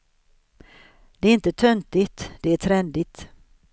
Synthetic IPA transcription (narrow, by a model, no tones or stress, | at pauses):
d̪̥ɛæɾɪnt̪ət̪ʰœnt̪ɪt̪d̪ɛæʈʰɾɛnd̪ɪt̪